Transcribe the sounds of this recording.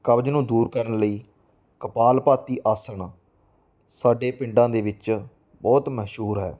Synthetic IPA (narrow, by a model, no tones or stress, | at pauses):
kəbd͡ʒnũːd̪uːɾkəɾəɳləiː | kəpaːlpaːt̪iːʔaːsəɳ | saːɖeːpɪɳɖãːd̪eːʋɪt͡ʃ | bɔːt̪məʃuːɾɦɛ̰ː